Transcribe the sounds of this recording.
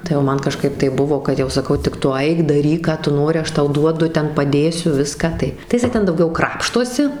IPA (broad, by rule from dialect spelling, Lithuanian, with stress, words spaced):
tɐɪ oː ˈmɐn kɐˈʃkɐɪp tɐɪ ˈbʊʋoː kɐt jɛʊ sɐˈkɐʊ tʲɪk ˈtʊ ˈɐɪk dɐˈrʲiːk ˈkɑː tʊ ˈnoːrʲɪ ˈɐʃ ˈtɐʊ ˈduɔdʊ ˈtʲɛn pɐˈdʲeːsʲʊ ˈʋʲɪskɑː tɐɪ jɪˈsɐɪ ˈtʲɛn dɐʊˈɡʲɛʊ ˈkrɑːpʃtoːsʲɪ